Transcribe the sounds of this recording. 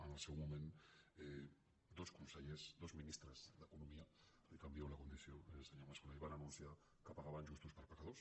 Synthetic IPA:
ənəlˠsewmumẽne | d̪oskunseʎezd̪ozminist̪ɾəzðəkunumia | ikambjawlakund̪iθjoeseɲomaskunajβananunsja | kəpaɣaβanʲʒust̪uspəɾpakaðos

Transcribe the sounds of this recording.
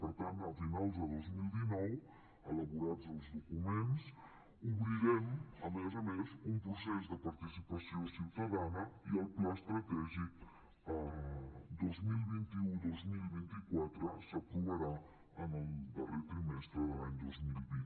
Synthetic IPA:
pəɾt̪ant̪əfinalˠzəðozmilˠd̪inɔw | ələβuɾadzəlˠzðukumens | uβɾiɾeməmezamezumpɾusɛzd̪əpaɾt̪isipəsiosiwt̪aðanəiəlplaəst̪ɾət̪ɛʒi | ə | d̪ozmilˠβint̪iud̪ozmilˠβint̪ikwat̪ɾəsəkɾuβəɾa | ənəld̪əret̪ɾimɛst̪ɾəðəlaɲd̪ozmilˠβin

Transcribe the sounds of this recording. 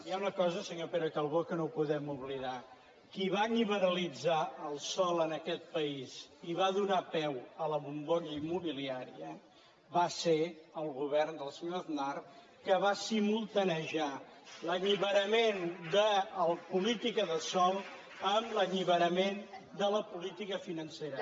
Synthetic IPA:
diaunəkɔzəsəɲopeɾəkalˠβokənopuðɛmuβliða | kiβaniβəɾəlid͡zaəlˠsɔlˠənəkɛt̪̚pəiziβaðunapɛwələβumboʎəimːuβiliaɾiə | βaseəlˠɣuβ̞ɛrnd̪əlˠsəɲoəðnar | kəβasimulˠt̪ənəʒaləʎiβəɾəmend̪əːlˠpulit̪ikəðəsɔlˠ | əmləʎiβəɾəmend̪ələpulit̪ikəfinənseɾə

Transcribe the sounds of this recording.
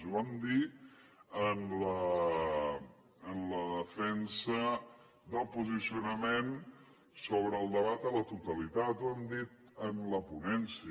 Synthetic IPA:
zuamd̪i | ənlə | nləðəfɛnsə | d̪əlˠpuzisiunəmen | soβɾəːlˠd̪əβat̪ələt̪ut̪əlit̪at̪uamd̪it̪ | ənləpunɛnsi

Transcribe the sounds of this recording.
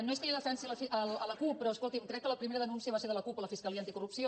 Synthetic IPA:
noest̪eiðəfɛnsiələfiələləkupːɾɔəskolˠt̪imkɾɛkːələpɾimeɾəðənunsiəβaseɾðələkupələfiskəliant̪ikurupsio

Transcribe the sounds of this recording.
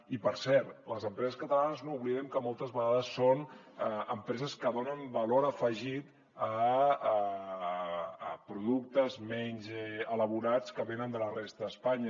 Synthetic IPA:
ipəɾsɛɾt̪ləzəmpɾɛzəskət̪əlanəznouβliðɛmkəmɔlˠt̪əzβəɣaðəsːon | əəmpɾɛzəskəðonəmbəloɾəfəʒit̪ | ə | pɾuðuk̚t̪əzmɛɲzɛələβ̞uɾat͡skəβenənd̪ələrest̪əəspaɲə

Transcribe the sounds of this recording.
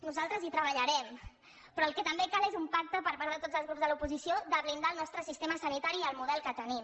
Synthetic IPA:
nuzalˠt̪ɾəzit̪ɾəβəʎəɾɛm | pɾɔəlˠkɛt̪əmbekalezumpak̚t̪əpəɾpaɾðət̪od͡zzəlˠzɣɾupzðəlupuzisijod̪əβlind̪aːlˠnɔst̪ɾəsist̪eməsənit̪aɾiəlˠmuðɛlˠkət̪ənim

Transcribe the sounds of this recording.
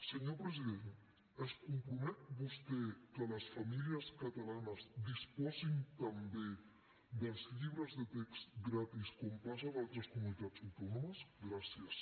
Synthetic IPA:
səɲopɾəziðen | əskumpɾumɛt̪̚bust̪ɛkələsfɐmiliəskət̪əlanəzd̪ispɔzint̪əmbe | d̪əlˠzʎiβɾəzðət̪ekst̪ɡɾat̪iskɔmpazəβalˠt̪ɾəskumunit̪ad͡zəwt̪ɔnoməsɡɾasiəs

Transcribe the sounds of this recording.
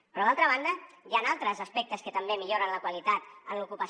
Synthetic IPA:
pɾɔðalˠt̪ɾəβ̞and̪əjanalˠt̪ɾəzəspɛk̚t̪əskət̪əmbemiʎoɾənləkwalit̪at̪ənlukupə

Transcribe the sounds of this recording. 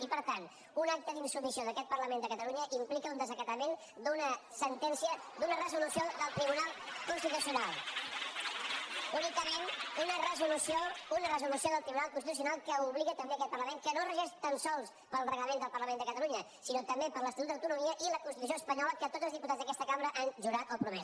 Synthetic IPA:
ipəɾt̪an | unak̚t̪əðinsumisioðəkɛt̪̚pərləmend̪əkət̪əluɲəʔimplikəund̪əzəkət̪əmen | d̪unəsənt̪ɛnsiəd̪unərəzulusioðəlˠt̪ɾiβunalˠkunst̪it̪usiunalˠ | unikəmenunərəzulusiounərəzulusioðəlˠt̪ɾiβunalˠk̬unst̪it̪us̬iunalˠkəuβliɣət̪əmbeəkɛt̪̚pərləmeŋkənorəʒɛʃt̪ansɔlˠs | pəlˠrəɣləmend̪əlˠpəɾləmẽnd̪əkət̪əluɲə | sinot̪əmbepəɾləst̪lut̪əwt̪unumiəʔiləkunst̪it̪us̬ioəspəɲɔləkət̪od̪d͡zzəlˠzðiput̪azðəkɛst̪əkamɾəʔanʒuɾat̪opɾumɛ

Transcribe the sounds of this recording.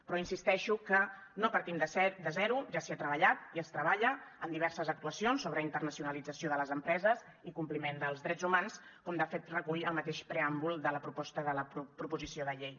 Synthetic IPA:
pɾɔinsist̪ɛʃukə | nopəɾt̪imd̪əd̪əzɛɾuʒasiat̪ɾəβ̞əʎat̪iəst̪ɾəβaʎəːnd̪iβɛɾsəzək̚t̪uəsionsːoβ̞ɾəint̪ərnəsiunəlid͡zəsioðələzəmpɾɛzəz | ikumplimend̪əlˠzðɾɛd͡zumans | kɔmd̪əfet̪rəkuʎəlˠmət̪eʃpɾeambulˠd̪ələpɾupɔst̪əðələpɾpɾupuzisioðəʎej

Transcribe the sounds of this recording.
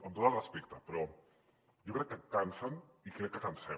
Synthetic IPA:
ənt̪ot̪əlˠrəspekt̪ɐpɾɔ | jokɾɛkːəkːansɐnikɾɛkːət̪ansɛ

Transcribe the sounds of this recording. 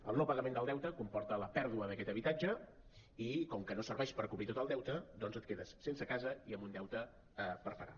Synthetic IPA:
əlˠnopəɣəmẽnd̪əlˠd̪ɛwt̪əkumpɔɾt̪ələpɛɾðuəðəkɛt̪əβit̪ad͡ʒə | ikɔmkənosəɾβɛʃpəɾkuβɾit̪ot̪əlˠd̪ɛwt̪əd̪ɔnzət̪̚keðəsːensəkazəiəmbund̪ɛwt̪ə | pəɾpəɾa̰

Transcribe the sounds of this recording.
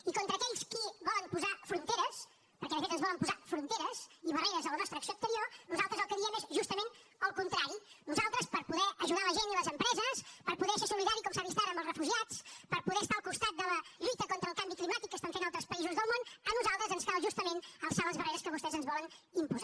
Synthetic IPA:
ikont̪ɾəːkɛʎskiβɔləmpuzafɾunt̪eɾəs | pəɾkɛlˠəʒɛnzənzβɔləmpuzafɾunt̪eɾəziβərejɾəzðələnɔst̪ɾəːksioːkst̪əɾionuzalˠt̪ɾəzəlˠkəðiəmezʒust̪əmenəlˠkunt̪ɾaɾinuzalˠt̪ɾəspəɾpuðɛʔəʒuðaləʒeniləzəmpɾɛzəspəɾpuðɛʃasuliðaɾikɔmsaβist̪aɾəmbəlˠzrəfuʒiat͡spəɾpuðɛst̪aəlˠkust̪at̪̚d̪ələʎujt̪əkɔnt̪ɾəlˠkambiklimat̪ikːəst̪aɱfenalˠt̪ɾəspəizuzðəlˠmonənuzalˠt̪ɾəzənsfaβʒust̪əmenəlˠsaβəzβərejɾəskəβust̪ɛzənzβɔlənimpuza

